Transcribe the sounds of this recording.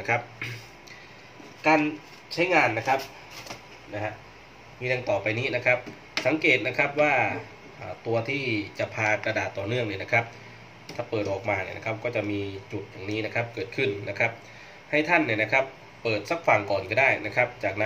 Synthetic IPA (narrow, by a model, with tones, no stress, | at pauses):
a˥kʰa˦˥p̚ | kaː˧n | t͡ɕʰa˦˥jŋaː˧nːa˦˥kʰa˦˥p̚ | na˦˥ha˦˧˥ʔ | miː˧nʰa˧ŋt̪ɔː˨˩pa˧jniː˦˥˨na˦˥kʰa˦˥p̚ | sa˨˦ŋkeː˨˩t̪̚na˦˥kʰa˦˥p̚waː˥˩ | ʔaː˨˩t̪u˧ɐt̪ʰiː˥˩t͡ɕa˨˩pʰaː˧kɾa˧daː˨˩t̪ːɔː˨˩nɯ˥˩əŋni˧˥˩na˦˥kʰa˦˥p̚ | t̪ʰaː˨˩pɤː˨˩t̪̚ʔɔː˨˩k̚maː˧nḭ˧˩na̰˦˧kʰa˦˧˥p̚kɔː˥˩t͡ɕa˨˩miː˧t͡ɕu˨˩t̪̚jaː˨˩ŋniː˦˥na˦˥˩kʰa˦˥p̚kɤː˨˩t̪̚kʰɯ˧˥˩nːa˦˥kʰa˦˥p̚ | ha˥˩jt̪ʰa˥˩nːi˧˩na˦˥kʰa˦˥pː | ɤː˨˩t̪̚sa˦˥k̚fa˧˩ŋkɔː˨˩nka˧˩daː˥˩jna˦˥kʰa˦˥p̚t͡ɕaː˨˩k̚na˦